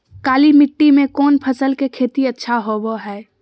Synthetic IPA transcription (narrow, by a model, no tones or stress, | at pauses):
kaːlimɪʈːimẽkɔːnpʰəsəlkekʰeːt̪iɐtːʃʰaɦoboɦɛː